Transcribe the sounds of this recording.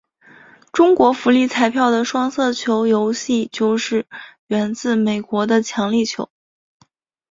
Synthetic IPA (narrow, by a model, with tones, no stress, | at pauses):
ʈ͡ʂʊ˥ŋkwɔ˧˥fu˧˥li˥˩t͡sʰa˧˥ɪpʰjɑ˥˩ʊd̪ə˩ʂwɑ˥ŋsɤ˥˩t͡ɕʰjo˧˥ʊjo˧˥ʊɕi˥˧t͡ɕjo˥˧ʊʂɻ̩˥˩ɥɛ˧˥nt͡sɹ̩˥˩me˨˩ɪkwɔ˧˥d̪ə˧t͡ɕʰjɑ˧˥ŋli˥˩t͡ɕʰjo̰˧˥ʊ